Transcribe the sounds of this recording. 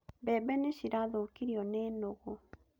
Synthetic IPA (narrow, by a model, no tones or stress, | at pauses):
bɛbɛneʃiɾaðokiɾiɔnɛːnoɣo